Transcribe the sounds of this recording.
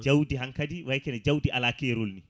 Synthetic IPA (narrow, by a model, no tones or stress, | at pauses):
d͡ʒawdiɦaŋkɐdiwajkenɛd͡ʒawdiʔalaːkeɾʊlni